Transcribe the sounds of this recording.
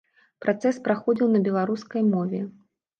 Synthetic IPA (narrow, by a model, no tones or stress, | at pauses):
pɾʔat̪sɛspɾaxɔd͡zʲiwnɐbʲɛlˠaɾuskɐjmɔvʲɛ